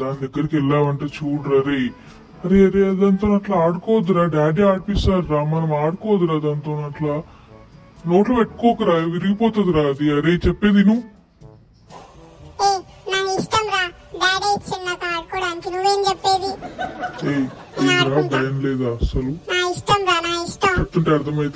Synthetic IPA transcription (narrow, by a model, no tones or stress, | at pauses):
d̪aːnid̪ɐɡːɐɾikɛlːaːʋɐɳʈeːt͡ʃuːɽɾɐɾeː | ɐɾeɐɾeːɐd̪ɐnt̪oːnɐʈlaaːɽukɔːɐd̪iɾaːɖaːɖiaːʈ̚pisaːɾɾaːmɐnɐmaːɽukɔːʋɐd̪iɾaːd̪ant̪oːnɐʈlaː | noːʈlɐpeʈːkɔːkɐɾaːʋiɾiɡipɔːt̪ɐd̪iɾaːɐd̪iɐɾeːt͡ʃɛpːeːd̪inuː | oːnaːkisʈɐmɾaː | baːɾɐjt͡ʃinːak̪aːɾkuɽant̪unuʋeːnt͡ʃepːeːd̪i | eːɐːɾaːɖɐjɐnlɛːd̪aːɐsɐlunaːisʈɐmɾaːnaːisʈɐt͡ʃep̚t̪uɳʈeɐɾd̪ʰɐmɐjit̪e